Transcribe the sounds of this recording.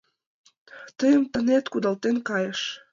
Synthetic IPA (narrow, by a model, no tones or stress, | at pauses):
t̪əjəmt̪ənet̪kud̪ɑlt̪enkɑjəʃ